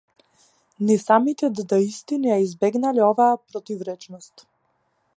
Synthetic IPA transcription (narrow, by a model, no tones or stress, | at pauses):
nɛsamit̪ɛd̪d̪aist̪inijaizbɛɡnaliɔvaːpɾɔt̪ivɾɛt͡ʃnɔst̪